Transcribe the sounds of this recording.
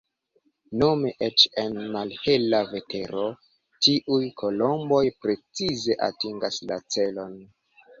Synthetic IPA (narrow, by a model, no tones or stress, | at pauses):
no̞meʔet͡ʃe̞nmalhe̞lave̞te̞ɾo̞ | tiʔujkʰo̞lo̞mbo̞jpɾe̞t͡size̞ʔa̰tiŋɡasla̰t͡se̞lo̞n